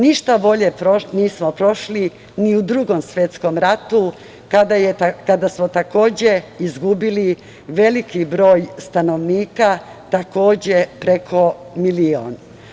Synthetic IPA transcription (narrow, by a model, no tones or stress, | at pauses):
niʃt̪abo̞ʎe̞pɾoniːsmopɾo̞ʃli | niud̪ɾuɡo̞msʋjet̪sko̞mɾat̪u | kad̪ajekad̪asmot̪ako̞ːd͡ʑeizɡubili | ʋe̞likibɾo̞ːjst̪ano̞ʋniːka | t̪ako̞ːd͡ʑe̞pɾe̞kʰo̞milio̰ːn